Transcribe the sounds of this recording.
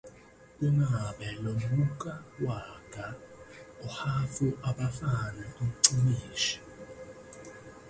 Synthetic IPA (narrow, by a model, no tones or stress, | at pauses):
kʼunaaɓɛlom̩uk̬ʼawaɡ̥ʱaɔhafuʔaɓafanɛʔum̩ǀiniːʃi̥